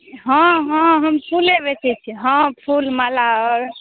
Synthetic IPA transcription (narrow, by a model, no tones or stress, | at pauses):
ɦɔ̃ɦɔ̃ɦəmpʰuleβɛt͡ʃʰɛt͡ʃʰiɦɔ̃pʰulmalaɔɾ